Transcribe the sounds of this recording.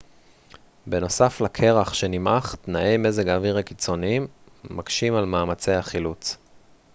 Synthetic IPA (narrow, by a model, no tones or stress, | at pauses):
be̞no̞saflakʰe̞ʁaχʃe̞nimaχt̪nae̞jme̞zeɡaviʁekit͡so̞niimː | akʃimalmaːmat͡sejaχilut͡s